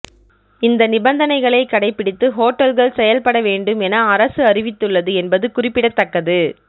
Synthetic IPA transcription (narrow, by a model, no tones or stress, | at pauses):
ɪnd̪ɐnɪbɐnd̪ɐnɐɪɣɐɭɐɪkːɐɽɐɪpːɪɽɪt̪ːɯɦoːʈːɐlɣɐɭsɛjɐlpɐɽɐʋeːɳɖɯmɛnɐːɾɐsɯɐrɪʋɪt̪ːɯɭːɐðɯɛnbɐðɯkʊrɪpːɪɽɐt̪ːɐkːɐðɯ